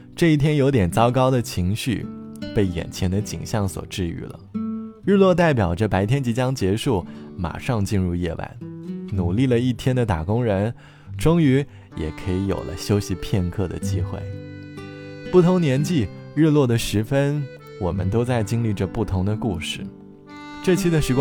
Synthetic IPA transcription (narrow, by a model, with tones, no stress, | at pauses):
ʈ͡ʂɤ˥˧i˥˩t̪ʰjɛ˥njo˧˥ʊt̪jɛ˨˩nt͡sɑ˥ʊkɑ˥ʊd̪ə˨t͡ɕʰi˧˥ŋɕy̰˥˩pe˥˩ɪjɛ̰˨˩nt͡ɕʰjɛ˧˥nd̪ə˧t͡ɕḭ˨˩ŋɕjɑ˥˩ŋswɔ̰˨˩ʈ͡ʂɻ̩˥˧y̰˥˩lə̰˩ɻɻ̩˥˧lwɔ˥˧t̪̬a˥˩ɪpjɑ˨˩ʊʈ͡ʂə˥˧pa˧˥ɪt̪ʰjɛ˥nt͡ɕi˧˥t͡ɕjɑ˥ŋt͡ɕjɛ˧˥ʂu˥˩ma̰˨˩ʂɑ˥˧ŋt͡ɕi˥˧nɻu˥˧jɛ˥˩wa̰˧˥nnu˨˩li˥˩lə˩i˥˩t̪ʰjɛ˥nd̪ə˨t̪a˨˩kʊ˥ŋɻə˧˥n | ʈ͡ʂʊ˥ŋy˧˥ | jɛ̰˨˩kʰɤ˧˥i˧˥jo̰˨˩lʔə̰˦ɕjo˥ʊɕi˧˥pʰjɛ˥˧nkʰɤ˥˩d̪ə̰˩t͡ɕi˥xwḛ˥˩ɪ | pu˥˩t̪ʰʊ˧˥ŋnjɛ˧˥nt͡ɕi˥˧ | ɻɻ̩˥˧lwɔ˥˩d̪ə˩ʂɻ̩˧˥fə˥n | wɔ˨˩mə̰˦nt̪o˥ʊt͡sa˥˩ɪt͡ɕi˥ŋli˥˩ʈ͡ʂə˧pu˥˩t̪ʰʊ˧˥ŋd̪ə˧ku˥˧ʂɻ̩˥˩ | ʈ͡ʂɤ˥˧t͡ɕʰi˥d̪ə˨ʂɻ̩˧˥k